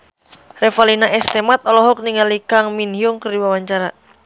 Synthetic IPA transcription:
rɛfalinaʔɛst̪ɛmat̪̚ɔlɔɦɔk̚niŋalikaŋminhiuŋkərdiwawaɲt͡ʃaɾa

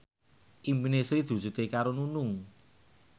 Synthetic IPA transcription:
ʔimpinesɾid̪̥ṳ̥d͡ʒ̥ṳt̪ekaɾonunʊŋ

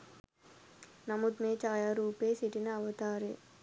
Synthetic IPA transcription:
nɐmut̪meːt͡ʃaːjaːɾuːpeːsiʈːinɐɐʋɐt̪aːɾḛ

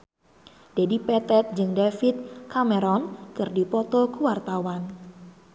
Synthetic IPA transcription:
d̥edipɛt̪ɛt̪̚d͡ʒɨŋdefit̪̚kameɾɔnkɨrdipɔt̪ɔkuwart̪awan

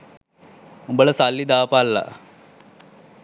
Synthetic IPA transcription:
umbələsalːid̪aːpalːa̰

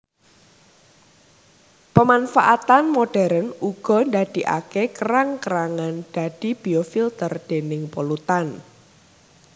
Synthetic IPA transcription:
pəmanfaʔat̪anmoɖ̥ɛɾənuɡ̥ɔ̤nd̪ad̪̥i̤ʔa̰kekəɾaŋkəɾaŋanɖ̥ä̤d̪̥i̤b̥iofilt̪ərd̪̥e̤nɪŋpolut̪an

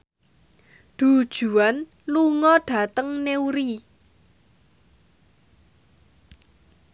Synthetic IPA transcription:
ɖ̪̥ṳd̥ʒ̥ṳan | luŋɔɖ̥a̤t̪əŋneuɾi

